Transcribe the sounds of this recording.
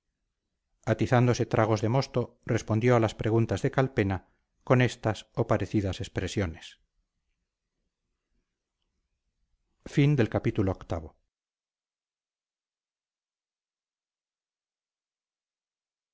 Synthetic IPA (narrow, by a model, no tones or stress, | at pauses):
at̪iθand̪o̞se̞t̪ɾʔaɣ̞o̞zðemo̞st̪o̞ | respo̞nd̪joalaspɾe̞ɣunt̪azðe̞kalpe̞na | ko̞ne̞st̪asopaɾeθiðase̞spɾesjo̞ne̞s | find̪e̞lkapit̪uloːkt̪aβo